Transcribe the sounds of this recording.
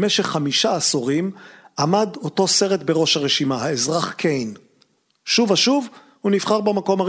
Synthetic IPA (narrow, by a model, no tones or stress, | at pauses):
meʃeχːamiʃaːsoʁimʔamado̞to̞se̞ʁet̪beʁo̞ʃaʁeʃimahaezʁaχkʰejn | ʃuvaʃuv | hunifχaʁbemako̞ma